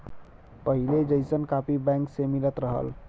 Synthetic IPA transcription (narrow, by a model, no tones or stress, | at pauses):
pəɦiled͡ʒəɪsənkapibɛ̃ŋksemilət̪ɾəɦə̰l